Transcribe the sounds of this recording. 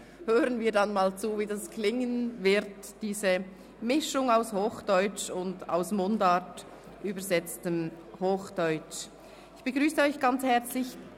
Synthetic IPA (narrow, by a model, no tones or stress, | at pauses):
høːʁənviːɐdanmaːlt͡suːviːdɑskʰlɪŋənvɪɾt | d̥iːzə | mɪʃʊŋaʊshoːxd̥ɔʏt͡ʃʊnda̰ʊsmʊndat | ʔyːbəzɛt͡stəm | hoːxd̥ɔʏt͡ʃ | ɪçb̥əɡʁyːsəɔʏçɡ̥ɑnt͡shɛʁt͡slɪç